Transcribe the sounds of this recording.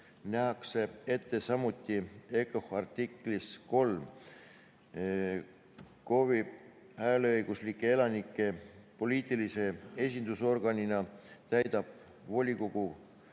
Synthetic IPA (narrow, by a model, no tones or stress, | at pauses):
næɦɑkse̞e̞t̪ːe̞sɑmut̪ːˑie̞kohɑrt̪ikˑlisko̞lm | ko̞vi | æleɤjɡ̥uslikːˑe̞e̞lɑnikːˑe̞po̞liːt̪ˑilise̞e̞s̬ʲind̪uso̞rɡ̥ɑninɑt̪æjd̪̥ɑb̥̚ | vo̞lʲikoɡ̥u